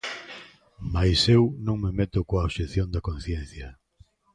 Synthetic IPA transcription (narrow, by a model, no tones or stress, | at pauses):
majsewnõŋmemet̪ʊkoaoʃeθjond̪ɐkõnθjen̟θjɐ